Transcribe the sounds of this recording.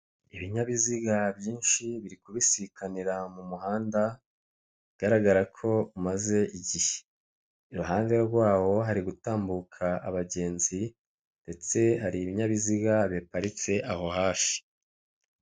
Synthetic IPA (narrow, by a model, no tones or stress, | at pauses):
iβiɲaβiziɡaβjiːnʃiβiɾikuβisikʰaniɾamumuhaːnda | iɡ̥aɾaɡaɾakʰo̞umaze̞ʔiɟihe̥ | ɾuɦaːnde̞ɡwaːwo̞ɦaɾiɡutaːmbukʰaʔaβaɟe̞ːnzi | nde̞t͡se̞haɾiːβiɲaβiziɡaβepaɾit͡se̞ʔaho̞haːfi̥